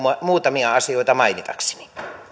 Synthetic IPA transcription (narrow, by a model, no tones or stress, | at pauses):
ɑmuːt̪ɑmiɑɑsioit̪ɑmɑinit̪ɑ̰kse̥ni̥